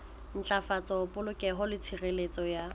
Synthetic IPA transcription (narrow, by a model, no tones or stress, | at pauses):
n̩t͡ɬʼafat͡sʼɔpʼʊlʊkʼɛɦʊlɪt͡sʰirelet͡sʼɔja